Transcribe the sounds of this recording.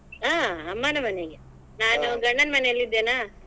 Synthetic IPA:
aːɐmːaːnɐmɐneɡe | naːnuɡɐɳːɐnmɐnelid̪ːeːnaː

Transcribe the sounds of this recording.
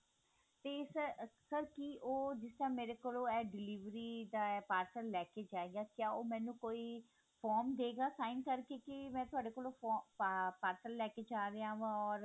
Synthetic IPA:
t̪eːsəsəɾkiʔoːd͡ʒɪst̪əɾãːmeːɾeːkoːlõːɛːɖɪliːʋɾiːd̪aːpaːɾsəɾlɛːkeːd͡ʒaːeːɡaːkjaːoːmɛ̃ːnũːkoːiː | pʰɔːɾmd̪eːɡaːsaːɪnkəɾkeːkɪmɛ̃ːt̪ʊaːɖeːkoːlõːɔpaːɾsəɾlɛːkeːd͡ʒaːɾeaːʋãɔːɾ

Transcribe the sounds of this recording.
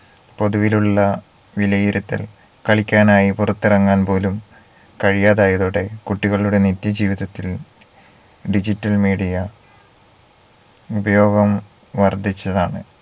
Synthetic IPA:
po̞ðuʋiluɭːɐ | ʋilɐjiɾut̪ːɐ̰l | kɐɭikʲːaːnaːjipurɐt̪ːirɐŋːaːnpo̞ːlum | kɐɻijaːðaːjɐðoːɽe̞kuʈːiɣɐɭuɽe̞nit̪jɐd͡ʑiːʋiðɐt̪ːil | ɖid͡ʑitːɐlmiːɽijɐ | ubɐjo̞ːɡɐm | ʋɐrd̪ʱit͡ɕːɐðaːɳɨ

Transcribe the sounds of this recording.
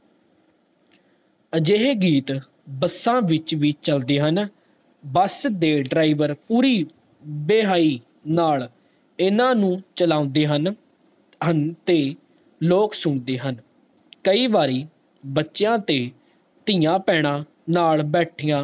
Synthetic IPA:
əd͡ʒeːɦeːɡiːt̪ | bəsãːʋɪt͡ʃʋiːt͡ʃəld̪eːɦən | bəsd̪eːɖɾaːiːʋəɾpuːɾiː | beːɦaːiː | naːl | ɪnãːnũːt͡ʃəlaːʊ̃nd̪eːɦən | ənt̪eː | loːksʊɳd̪eːɦən | kəiːʋaːɾiː | bətːʃjãːt̪eː | t̪ɪjãːpɛːɽ̃ãː | naːɭbɛːʈʰijãː

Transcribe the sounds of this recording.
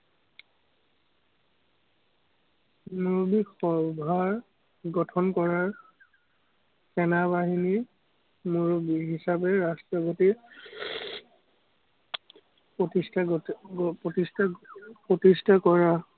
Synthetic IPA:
moɹobikxɔbʱaɹ | ɡɔtʰɔnkɔɹaɹ | sɛnabaɦini | moɹobiɦisapɛɹastaɡɔti | potistʰa | pɹotistʰapɹotistʰakɔɹa

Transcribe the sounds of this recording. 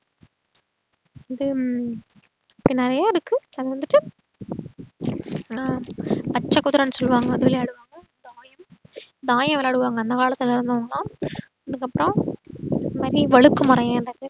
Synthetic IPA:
ɐðɯ | ɐpːɐɽinɪɾɐjaːɪɾɯkːɯɐðɐʋɐnd̪ɯʈːɯ | ɐpɐt͡ʃːɐkːʊt̪ːɾɐnːɯsɔlːɯʋaːŋɡɐːðɯʋɪleaːɽɯʋaːŋɡɐ | d̪aːjɐmd̪aːjɐmʋɛlaːɽɯʋaːŋɡɐːnd̪ɐkaːlɐt̪ːɪlɪɾɯnd̪ɐʋɐŋɡɐlãː | ɐðɯkːɐpːɯɾɔ̃ɐðɐmaːd̪ɾiʋɐɻɯkːɯmʊɾɐjẽndrɐðɯ

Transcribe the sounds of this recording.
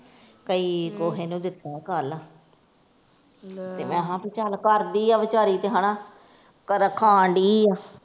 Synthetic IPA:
kəiːkoːɦeːnũːd̪ɪt̪ːãːkəlaː | t̪eːmɛ̃ːɦãːpɪt͡ʃalkəɾd̪iːaːʋɪt͡ʃaːɾiːt̪eːɦaːɳaː | kəɾəkʰãːɳɖiːaː

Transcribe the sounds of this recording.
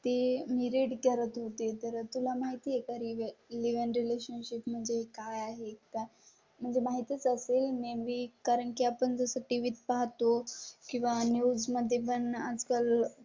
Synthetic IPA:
t̪emiɾeʈɡʱəɾət̪ɦot̪et̪əɾt̪ul̤amaɦit̪iːekaɾiʋliʋənɾileɕənɕipm̤əɳd͡zeɦekajaɦek̚t̪a | m̤əɳd͡zemaɦit̪iət͡səselmeʋikaɾəɳkiapəɳd͡zəsəʈiʋit̪paɦt̪okĩw̃ʋanjud͡zməd̪ʱːjep̬əɳad͡zkəl

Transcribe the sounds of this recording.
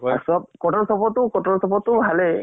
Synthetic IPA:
sɔb̚kɔtɔnsɔpɔtːʊkɔtɔnsɔpɔtːʊbʱalɛ

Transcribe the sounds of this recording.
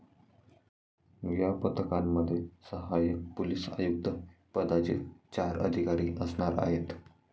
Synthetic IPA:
ʋjapət̪əkamːəd̪ʱːjesəɦajək̚pulisa̰juk̚d̪əpəd̪at͡ɕḭt͡ɕaɾə̰d̪ʱikaɾiːʔəsɳaɾa̰ɦet̪

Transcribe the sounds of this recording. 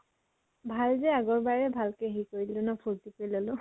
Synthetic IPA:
bʱalzɛaɡɔɹbaɹɛbʱalkeɦikoɹilunɔpʰuɹtipeɹilolʊ̃

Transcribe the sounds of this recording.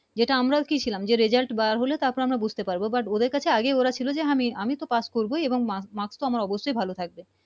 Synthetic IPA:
d͡ʑeʈaamɾakit͡ɕʰilamd͡ʑeɾed͡ʑalʈbaɾɦolet̪aɾpɔɾeamɾabud͡ʑʱt̪epaɾbobaʈod̪eɾkat͡ɕʰeaɡeoɾat͡ɕʰilod͡ʑeamiamit̪opaskoɾboieboŋmamakst̪oamaɾɔboʃːojbʱalot̪ʰak̚be

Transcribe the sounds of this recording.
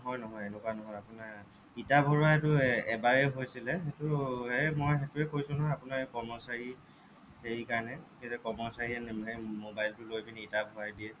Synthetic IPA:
ɦɔjnɔɦɔjenɛkwanɔɦɔjapʊna | itabʱɔɹaetʊɛbaɹɛɦojsilɛxetʊɦemojxetʊɛkojsʊ̃nɔɦɔjapʊnakɔmɔsaɹi | heɹikaɹnɛkezɛkɔmɔsaɹiɛnɦejmobajltʊlojbiniitabʱɔwadiɛ

